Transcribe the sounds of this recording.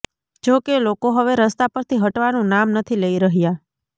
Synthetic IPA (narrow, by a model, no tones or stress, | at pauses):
d͡ʒokelokoɦəʋeɾəst̪apəɾt̪ʰiɦəʈʋanũnamnət̪ʰiləiɾəɦja